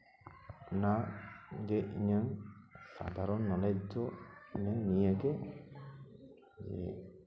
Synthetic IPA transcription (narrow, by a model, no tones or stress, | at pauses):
naɡeʔḭɲaŋsa̰d̪ʱaɾɔnːɔlɛd͡ʒɔiɲaŋnijaɡe | d͡ʒḛ